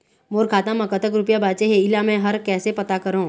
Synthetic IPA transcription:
moːɾkʰaːt̪ãmɐkət̪ək̬ɾʊpjabaːt͡ʃeɦeɪlamɛ̃ɦɐɾkɛːsepɐt̪akɐɾõː

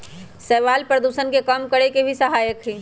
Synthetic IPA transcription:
sɛːʋaːlpɾəd̪uːsənkekəmkəɾekebʱisɐɦaːjəkɦiː

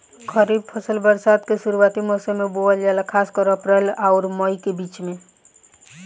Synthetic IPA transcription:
kʰəɾib̚pʰəsəlbəɾsad̪kesuɾuat̪imosəmeboəld͡ʒalakʰaskəɾəpɾelaʊɾməjkebit͡ʃme

